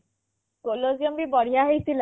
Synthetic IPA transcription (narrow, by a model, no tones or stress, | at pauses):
koloziɔmbibɔɽ̤ijaɦejt̪ʰila